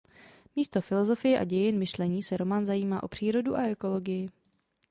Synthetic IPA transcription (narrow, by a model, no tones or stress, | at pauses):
miːst̪o̞fɪlo̞zo̞fɪjɛʔa̰ɟɛjɪnmɪʃlɛɲiːsɛɾo̞manzajiːmaːʔopr̝̥iːɾo̞duʔaʔɛko̞lo̞ɡɪjɪ